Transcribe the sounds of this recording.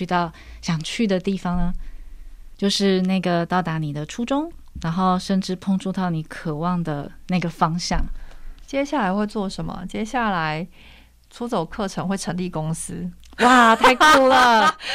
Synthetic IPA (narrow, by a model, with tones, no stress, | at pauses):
y˧t̪ɑ˥˩ʊɕjɑ˨˩ŋt͡ɕʰy˥˩d̪ə˩t̪i˥˩fɑ˨˩ŋnə˦ | t͡ɕjo˥˧ʊʂɻ̩˥˧na˥˩ɪɡə˩t̪ɑ˥˩ʊt̪a˧˥ni˨˩d̪ə˦ʈ͡ʂʰu˥ʈ͡ʂʊ˥ŋɻa˧˥nxo˥˧ʊʂə˥˧nʈ͡ʂɻ̩˥˧pʰo˥˧ŋʈ͡ʂu˥˧t̪ɑ˥˩ʊni˨˩˦kʰɤ˨˩wɑ˥˩ŋd̪ə˩na˥˩ɪɡə˩fɑ˥ŋɕjɑ̰˥˩ŋt͡ɕjɛ˥ɕja˥˩la˧˥ɪxwe˥˧ɪt͡swɔ˥˩ʂə˧˦nmə̰˨t͡ɕjɛ˥ɕja˥˩la˧˦ɪ | ʈ͡ʂʰu˧˥t͡so˨˩ʊkʰɤ˥˩ʈ͡ʂʰɤ˧˦ŋxwe˥˩ɪʈ͡ʂʰɤ˧˥ŋli˥˩kʊ˥ŋsɹ̩˥ | wa˥˧t̪ʰa˥˧ɪkʰu˥˩lə˨